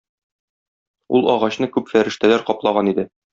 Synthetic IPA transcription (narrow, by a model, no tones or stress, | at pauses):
ṵlˠɒʁɑɕnɤkʉpfæɾɘ̆ʃt̪ælæɾqɒplˠɑʁɑnid̪ɘ